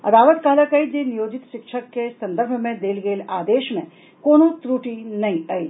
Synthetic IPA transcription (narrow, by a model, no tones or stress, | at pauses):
ɐ̰d̪aːʋət̪kaːləkɐid͡ʒenijoːd͡ʒɪt̪ʃɪkʃʰəkːesɐ̃nd̪əɾbʱmẽd̪eːlɡeːlaːd̪eːʃmḛ̃ | koːnõt̪ɾuːʈinɐɦĩɐḭ